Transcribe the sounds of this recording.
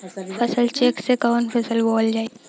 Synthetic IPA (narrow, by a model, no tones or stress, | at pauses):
fʰɐsəlt͡ʃeːksekɔːnfʰɐsəlbɔːld͡ʒaːe